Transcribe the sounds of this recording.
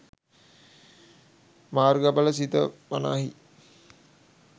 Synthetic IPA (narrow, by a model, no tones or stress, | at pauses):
maːrɡabələsit̪əpana̰ːɦi